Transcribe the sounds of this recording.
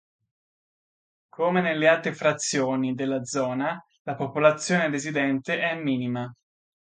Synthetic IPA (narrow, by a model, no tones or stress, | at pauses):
kʰomenelːealt̪ɾefɾat̪sːjoːnid̪elːad̪zɔːna | lapopolat̪sːjoːnerezid̪ɛnt̪eʔɛmːiːnima